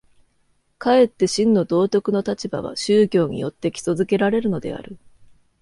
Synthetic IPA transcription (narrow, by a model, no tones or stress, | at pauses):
kae̞t̪ːe̞ɕĩnːo̞d̪o̞ːt̪ʲo̞kɯ̟no̞t̪at͡ɕiba̰β̞a̰ɕɨːkʲo̞ːɲ̟ḭjo̞̰t̪ːe̞kʲi̥so̞zɨke̞ɾaɾe̞ɾɯno̞d̪e̞̰a̰ɾɯ̟